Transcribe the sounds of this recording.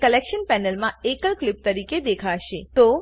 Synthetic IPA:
kəlekʃənpɛnəlmãekəlklɪp̚t̪əɾiked̪ekʰaʃet̪o

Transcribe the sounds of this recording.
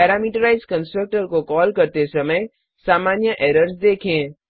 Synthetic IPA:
pɛːɾaːmiːʈəɾaɪzkə̃nsʈɾək̚ʈəɾkokɔːlkɐɾt̪esɐməj | saːmaːnjəʔeːɾəɾsd̪eːkʰẽː

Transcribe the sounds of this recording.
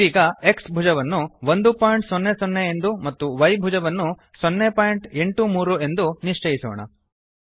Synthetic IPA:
iːɡɐe̞ksbʱud͡ʒɐʋɐnːuʋond̪upaːjɳʈsɔnːesonːeend̪umɐt̪ːuʋɐjbʱud͡ʒɐʋɐnːu | sɔnːepaːjiɳʈe̞ɳʈumuːɾue̞nd̪uniʂt͡ʃɐjisɔ̰ːɳɐ̰

